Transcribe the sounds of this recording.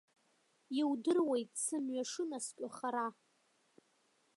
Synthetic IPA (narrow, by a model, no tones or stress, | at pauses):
iwdɨrwejtʼsɨnɥaʂɨnaskʲʷʼaχaɾa